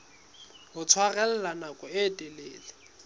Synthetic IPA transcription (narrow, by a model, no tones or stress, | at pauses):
ɦʊt͡sʰwarɛl̩lanakʼɔɪtʼɛleːlɪ